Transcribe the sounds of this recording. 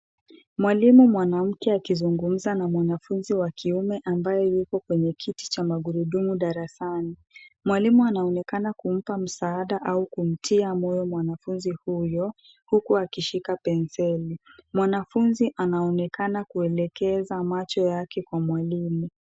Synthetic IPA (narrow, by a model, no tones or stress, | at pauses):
mwalimumwanam̩kɛakizuŋɡum̩zanamwanafunziwakʰiumɛʔambajɔjikɔkwɛɲɛkʰiti̥t͡ʃamaɠuɾuɗumuɗaɾasani | mwalimuanaɔnɛkanakum̩pam̩saːɗaʔaukum̩tʰiamɔjɔmwanafunzihujɔ | hukuakiʃikapɛnsɛlimwanafunziʔanaɔnɛkanakuɛlɛkɛzamat͡ʃɔjakɛkwamwalimu